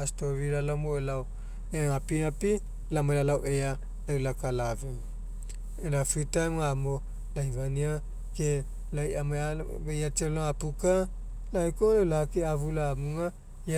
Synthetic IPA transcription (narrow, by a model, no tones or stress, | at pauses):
astoβiɾalamoelaw | eŋapinapi | lamaelalawʔea | lawlakalave | enafitamŋamo | lajvania | ke | lajamaa | bejat͡ʃeloŋapuka | laekolawlahakeavulaːmuŋa | ja